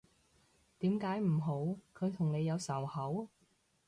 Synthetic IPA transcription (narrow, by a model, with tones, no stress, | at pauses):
t̪iː˨˥mkaː˨˥jm̩˨˩ɦo˨˥wkʰɵ˨˧ɥt̪ʰʊ˨˩ŋne˨˧jɐ˨˧wsɐ˨˩whɐ˨˥w